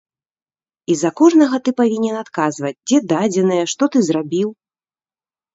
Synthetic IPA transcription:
izɐkɔʐnɐɣɐt̪ɨpavʲinʲɛnat̪kazvɐd͡zʲd͡zʲɛd̪ad͡zʲɛnɐjɛʂt̪ɔt̪ɨzrabʲiw

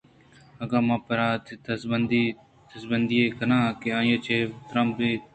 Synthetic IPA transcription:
ɐɡaːmãːpəɾaːt̪ːt̪ɐsbənd̪iː | t̪əsbənd̪iːeːkənãːkeãːjeːt͡ʃʰeːt̪ɾãmbeː

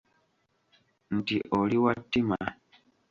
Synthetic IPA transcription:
n̩tiʔoliwatːima

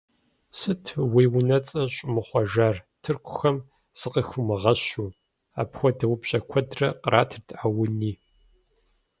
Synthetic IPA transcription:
sɨtʰweːwʊnɐt͡sʼɐɕʼʊmɨχʷɔʒaːrtʰɨrqʷʰʊ̥xɐm | sɨqɐxʊmɨʁɐɕuː | a̰ːpxʷɔdɐwʊpɕʼɐkʷʰɔdrɐqɾʔaːtʰɨrtʰʔawʊniː

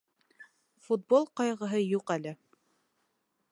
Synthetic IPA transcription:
fut̪̚bolˠqɑjʁɤ̆ɦɤjuqælɘ

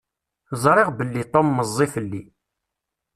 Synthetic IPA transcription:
zˤɾˤɪʁbəlːit̪ˤomːəzˤːifəlːi

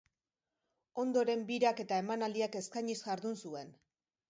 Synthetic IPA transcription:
o̞nd̪o̞ɾe̞mbiɾake̞t̪ae̞manald̪iake̞skaɲisʝaɾðunsue̞n

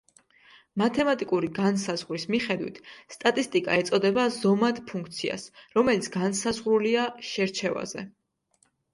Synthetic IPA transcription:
mat̪ʰɛmat̪ʼikʼuɾiɡansazʁɾismiχɛd̪wḭt̪ʰst̪ʼat̪ʼist̪ʼikʼa̰ɛt̪sʼɔd̪ɛbazɔmad̪pʰũŋkʰt̪sʰia̰sɾɔmɛlit̪sʰɡ̥ansazʁɾuliaʃɛɾt͡ʃʰɛva̰zɛ̰

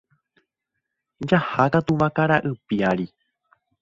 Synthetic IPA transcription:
d͡ʒahakat̪uʋakaɾaʔɨpiaɾi

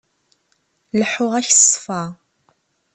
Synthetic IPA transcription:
ləħʊʁæçsˤːfɑ

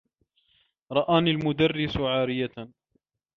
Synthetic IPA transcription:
ɾˤɑʔaːnilmʊd̪arːɪsʕaːɾɪja

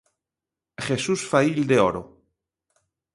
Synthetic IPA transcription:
xesusfaild̪eoɾo

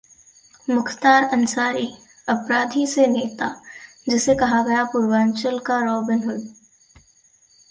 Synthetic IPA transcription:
mʊkʰt̪aːɾɐnsaːɾi | ɐpɾaːd̪ʱiseneːt̪a | d͡ʒɪsekɐɦaɡɐjapʊɾwãːnt͡ʃəlkaɾɔːbɪnɦʊl

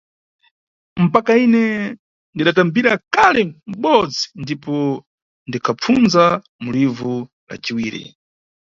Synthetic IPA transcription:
m̩pakainɛ | ndiɗatambiɾakalɛm̩ɓɔd͡zindipɔ | ndikʰap͡funza | mulivu | la̰t͡ʃiwiːɾḭ

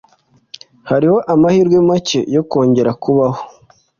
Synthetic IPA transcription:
haɾiho̞ʔamahiːɾɡwemace̞̰jo̞ko̞ːɲɟe̞ɾakuβaho̥

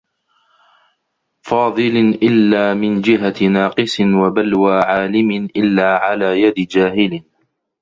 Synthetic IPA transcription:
fɑːðˤɨlʔɪlːaːmɪnd͡ʒɪɦanɑːqɨsɪnwabalwaːʕaːlɪmɪnʔɪlːaːʕalaːjad̪ɪd͡ʒaːɦɪl

